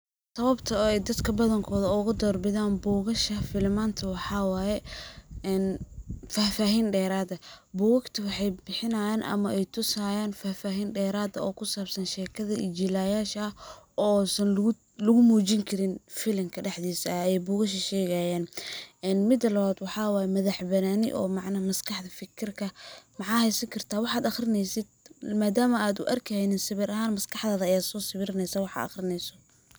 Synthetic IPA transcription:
sɐβɐbt̪ʰɐɛjd̪ɐd̪kʰɐbɐðɐŋkʰɔːðɐʊɣʊd̪ɔːrbɪðaːnbuːɣɐʃɐfɪlmaːnt̪ʰɐwɑħɑwaːjɛɛnfaːfaːɦiːnɖɛːɾaːðɐbuːɣɐkt̪ʰɐwɑħɑjbɪħɪnɐjaːnʔɐ̰mɐʔɛjt̪ʰʊsaːjaːnfaːfaːɦiːnɖɛːɾaːðɐɔːkʰʊsaːbsɐnʃɛːkʰɐðɐʔɪ̰d͡ʒilaːjaːʃɐɐhɔːsɐn | lʊɣʊmuːt͡ʃɪŋkʰɐɾɪnfɪlɐŋkʰɐɖɛħðiːsɐɛjbʊːɣɐʃ̬ɐʃɛːɣajaːnʔɛːnmɪd̪ɐlɐβaːd̪wɑħɑːwaːjɛmɐðɐħbɐnaːnɪ̰ʔɔ̰ːmɑʕnɐmɐskʰɑħd̪ɐfɪkʰɪrkʰɐmɑħɑːhɛjsɐŋkʰɐrt̪ʰaːwɑħaːd̪ɐxɾɪnɛjsɪd̪̚maːd̪aːmɐaːd̪ʊ̰ʔɐrkʰɐjnɛːnsɪβɪɾɐɦaːnmɐskʰɑħd̪aːðɐɐjaːd̪sɔːsɪβɪɾɪnɛjsaːwɑħɑ̰ɐ̰xrɪnɛjsɔ

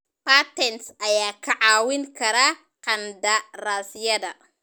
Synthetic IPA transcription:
paːt̪ʰɛnsʔɐjaːkʰɐʕɑːwɪŋkʰɐɾaː | qɐnd̪ɐraːsɪjɐðɐ

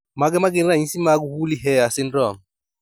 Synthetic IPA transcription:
mak̬ɛmaɡeniɾaĩsimak̬uhuliɦɛasɪn̩dɔm̩

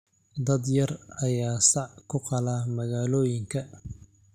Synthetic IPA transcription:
d̪ɐd̪jɐrɐjaːsɑʕkʰʊqɑlaːmɐɣaːlɔːjɪŋkʰɐ

